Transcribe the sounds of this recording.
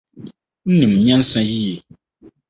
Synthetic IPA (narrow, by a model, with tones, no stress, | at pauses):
n̩˦nɨ̃˨m˨ɲã˦n̩˦sã˦ji˦e˨